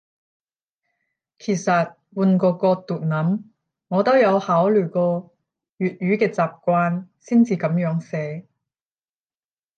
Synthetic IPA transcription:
kʰeː˨˩sɐ˨t̚ | wuː˧nkɔː˧kɔː˧t̪uː˨˩t̚nɐ˨˥m | ŋɔː˨˧t̪o˥wjɐ˨˧whaː˨˥wlyː˨˩kɔː˧ | jyː˨t̚jyː˨˥kɛː˧t͡saː˨p̚kʷaː˧nsiː˥nt͡siː˨˧kɐ˨˥mjœː˨˥ŋsɛː˨˥

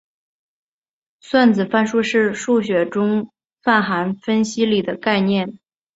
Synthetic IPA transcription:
swa˥˩nt͡sɹ̩˨˩fa˥˩nʂu˥ʂɻ̩˥˧ʂu˥˩ɕ̬ɥɛ˨˩ʈ͡ʂʊ˥ŋ | fa˥˩nxa˧˥nfə˥nɕi˥li˨˩d̪ə˦ka˥˧ɪnjɛ˥˩n

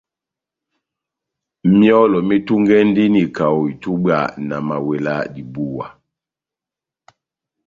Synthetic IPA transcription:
mjɔ˦lɔ˨mi˦tu˦ŋɡɛ˦n̩˦di˦ni˨ka˨wɔ˨i˨tu˦ba̰˦˨na˨ma˨we˨la˦di˨bu˦wa˨

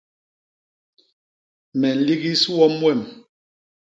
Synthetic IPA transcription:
mɛ˨n̩˨˦li˦ɣi˦su˦wɔ˦mwɛ˦˨m

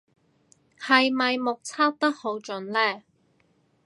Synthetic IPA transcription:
hɐ˨jmɐ˨jmʊ˨k̚t͡sʰaː˥p̚t̪ɐ˥k̚ho˨˥wt͡ʃɵ˨˥nlɛː˥˩

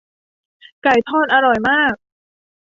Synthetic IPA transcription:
ka˨˩jt̪ʰɔː˥˩t̪̚ʔa˧ɾɔ˨˩jmaː˥˩k̚

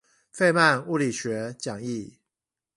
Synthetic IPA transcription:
fe˥˧ɪma˥˧nu˥˨li˨˩ɕɥɛ˨˥t͡ɕjɑ˨˩ŋi˥˩

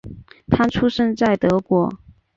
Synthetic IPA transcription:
t̪ʰa˥ʈ͡ʂʰu˥ʂə˥nt͡sa˥˩ɪt̪ɤ˧˥kwɔ˧˥

